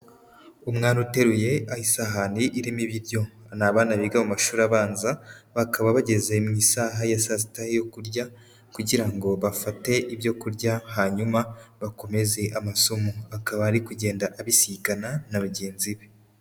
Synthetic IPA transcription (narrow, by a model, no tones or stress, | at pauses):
umŋaːnute̞ɾuje̞ahisaɦaniʔiɾimiβiɾɟo̞anaːβaːnaβiɡamumaʃuːɾaβaːnzaβakaβaβaɟe̞zemŋiːsaːɦajasasitaejo̞kuɾɟa | kuɟiɾaŋɡo̞βafate̞ʔiβjo̞kuɾɟahaːɲumaβako̞me̞ze̞ʔamaso̞moβakaβaːɾikuɟe̞ːndaʔaβisikananaβaɟeːnziβe